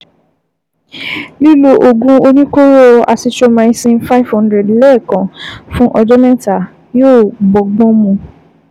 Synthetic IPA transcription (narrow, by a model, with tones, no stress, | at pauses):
li˦lo˧ʔo˧ɡũ˧o˧nĩ˦ko˦ɾo˦a˧si˧to˧mã˧˦sĩ˧nfa˦i˦vhɔ̃˦ndɾɛ˨dlɛ˦˨kã˨fũ˦ʔɔ˧d͡ʒɔ˦mɛ˦ta˨ | joː˦˨ɡ͡bɔ˨ɡ͡bɔ̃˦mũ˧